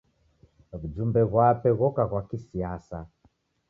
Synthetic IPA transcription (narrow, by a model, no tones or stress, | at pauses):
βud͡ʒumbɛɣwapɛɣɔkaɣwakisiasa